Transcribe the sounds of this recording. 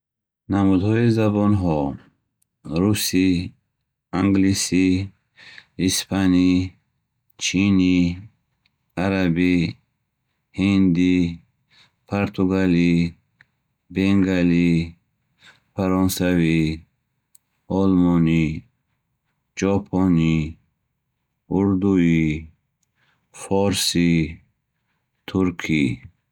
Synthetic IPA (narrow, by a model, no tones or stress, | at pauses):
namud̪hɔizabɔnɦɔ | ɾusi | aŋɡlisi | ispʰani | t͡ʃʰini | aɾabi | hind̪i | pʰoɾt̪ʰuɡali | beŋɡali | faɾɔnsavi | ɔlmɔni | d͡ʒɔpʰɔni | uɾd̪ui | fɔɾsi | t̪ʰuɾkʰi